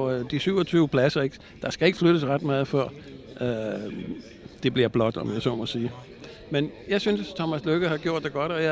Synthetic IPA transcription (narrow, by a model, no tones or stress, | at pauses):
d̥isyʊɒt͡sʰyːʊpʰlæsɐe̝ɡ̥ | d̥ɑ̈sɡ̥æe̝ɡ̥fløɾ̥əsʁad̥mɑ̈ːð̩ˠfɶɐ̰ | d̥e̝b̥liɐb̥lɒ̽d̥ɒ̽mjæɪsɒ̰ːmɒsiː | menjɑ̈ɪsynst͡sʰɒmæsløɡ̥əhɑ̈ɡ̥jo̝ɐ̰d̥ːeɡ̥ɒ̽d̥ɒ̽j